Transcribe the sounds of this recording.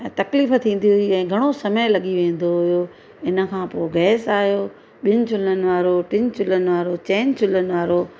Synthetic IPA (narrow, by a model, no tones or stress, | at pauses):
ɛ̃ːt̪ɐkliːft̪ʰĩːn̆d̪iɦʊiɛ̃ːɡʱɐɽ̃osɐməjlɐɠiʋẽːn̆d̪oɦʊjo | ɪnə̆kʰãːpoɪɡɛːsaːɦijoː | ɓɪnɪ̆t͡ɕʰʊlənɪ̆ʋaːɾoʈɪnt͡ɕʊlənɪ̆ʋaːɾot͡ɕɛ̃ːnt͡ɕʰʊlənɪ̆ʋaːɾo